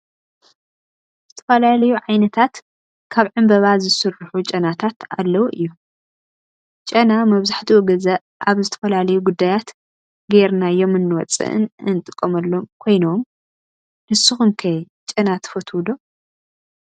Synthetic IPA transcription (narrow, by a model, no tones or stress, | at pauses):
z̥ɨt̪ʰɐ̥fɐlalɐjuʕajnɐt̪ʰat̪ | kʰaβʕɨmbɐβazɨsɨrːɨħut͡ʃʼɐnat̪ʰat̪a̰lːɐwuʔɨjːu | t͡ʃʼɐnamɐβzaħt̪ʰiwoɡɐzɐ | ʔaβzɨt̪ʰɐ̥fɐlalɐjuɡud̪ːajat̪ | ɡeɾnajo̞mɨnːɨwɔt͡sʼɨ̰ʔɨ̰nɨnt̪ʼɨkʼːomɐlːo̞mkʰo̞jnom | nɨsɨxumkʰɐj | t͡ʃʼɐnat̪ʰɐ̥fɐt̪ʰwud̪o